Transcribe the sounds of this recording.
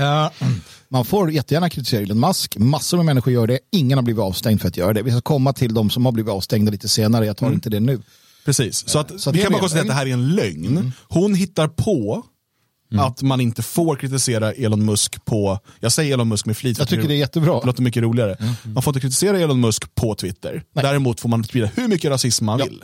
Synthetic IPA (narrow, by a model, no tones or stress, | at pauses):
manfoːɾjɛt̪ːəjæːɳakʰɾɪt̪ɪseːɾaeːlɛnmaskmasːʊɾmɛmɛnːɪɧʊɾjœːɖɛɪŋːənhabliːvɪt̪ɑːvst̪ɛŋd̪fœɾat̪jœːɾad̪ɛvɪskakʰɔmːat̪ʰɪld̪ɔmsɔmhabliːvɪt̪ɑːvst̪ɛŋd̪aliːt̪əseːnaɾəjɑt̪ʰɑːɾɪnt̪əd̪ɛnʉ̟ː | pʰɾɛsiːssɔat̪sɔat̪kʰanmakɔnt̪eːad̪ɛɦæːɾæɾɛnlœŋnhʊnɦɪt̪ːaɾpʰɔ | at̪manɪnt̪əfoːɾkʰɾɪt̪ɪseːɾaʔeːlɔnmɵskpʰɔjɑːsɛjəɾeːlɔnmɵskmɛfliːt̪jt̪ʰʏːəɖɛæjɛt̪ːəbɾɑːloːt̪ːɛmʏkːəɾuːlɪɡaɾəmanfoɾɪnt̪kɾɪt̪̬ɪseːɾaeːlɔnmɵskpʰɔt̪ʰvɪt̪ːə̰ɾd̪æːɾɛmuːt̪foːɾmanspiːd̪ahɵɾmʏkːəɾasɪsmːanvɪ̰l